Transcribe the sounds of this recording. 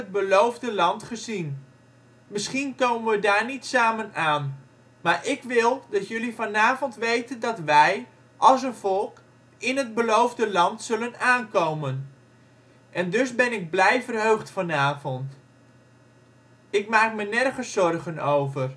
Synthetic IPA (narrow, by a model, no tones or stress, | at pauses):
əd̚bəlowvdəlɑntχəzin | mɪsχinkowmənʋədaːɹnitsaːmənaːn | maːɹʔɪkʋɪlˠdɑtjɵlifɑnaːvɔntʋejtəndɑtʋɛj | ʔɑlˠs̬ənvɔlˠk | ɪnɦəd̚bəlowvdəlɑntsɵlənaːnkowmən | ʔɛndɵzbɛnɪɡ̚blɛjvərɦøɥχtfɑnaːvɔnt | ɪkmaːkmənɛrχəsɔrχənowvər